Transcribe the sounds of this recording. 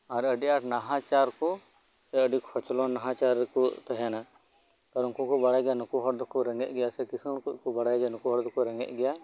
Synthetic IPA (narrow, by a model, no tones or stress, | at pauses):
aɾəɖiaʈnaɦãt͡ʃaɾkɔ | sɛəɖikʰɔt͡ʃlɔnaɦãt͡ʃaɾkɔt̪aɦana | t̪aɾunkukɔbaɽajɡɛjanukuɦɔɽd̪ɔkɔɾɛŋɡɛʔ̚ɡɛjasɛkisunkukɔbaɽajd͡ʒɛnukuɦɔɽd̪ɔkuɾɛŋɡɛ̰ʔ̚ˀɡɛja